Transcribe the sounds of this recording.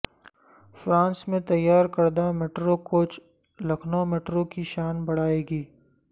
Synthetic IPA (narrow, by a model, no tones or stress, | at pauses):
fɾãːnsmẽt̪ɐjːaːɾkɐɾd̪ameʈɾokoːt͡ʃ | lɐkʰnomeːʈɾõkiʃaːnbɐɽ̤aːeːɡiː